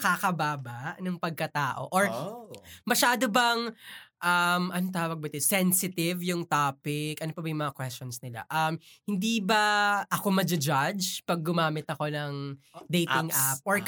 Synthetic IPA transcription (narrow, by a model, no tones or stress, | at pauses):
ɐkakɐbaːbaʔnɐŋpɐɡ̚kɐt̪aːʔo̞̰ʔoɹ | mɐʃaːd̪obɐŋʔɐmɐnot̪aːwɐɡ̚bɐt̪ɛsɛnsɪt̪ɪvjʊŋt̪aːpɪkʔɐnopɐbɐjʊŋmɐŋakwɛst͡ʃɔnsnɪla̰ʔɐmhɪnd̪iːbɐʔɐko̞mɐd͡ʒɪd͡ʒad͡ʒpɐɡ̚ːʊmaːmɪt̪ɐko̞nɐŋd̪ejtɪŋʔap̚ʔoɹ